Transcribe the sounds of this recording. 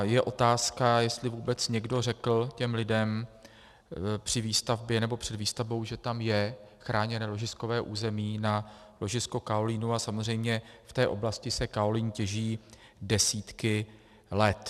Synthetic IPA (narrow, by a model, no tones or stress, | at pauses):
jɛʔo̞t̪aːskajɛst̪lɪvuːbɛt͡sɲɛɡdo̞r̝ɛkl̩cɛmlɪdɛm | pr̝̥ɪviːst̪avbjɛnɛbo̞pr̥ɛdviːst̪avbo̞wʒɛt̪amjɛxɾʔaːɲɛnɛːlo̞ʒɪsko̞vɛːʔuːzɛmiːnalo̞ʒɪsko̞kaoliːnuasamozr̝ɛjmɲɛft̪ɛːʔo̞blascɪsɛkaoliːncɛʒiː | dɛsiːt̪kɪ | lɛt̪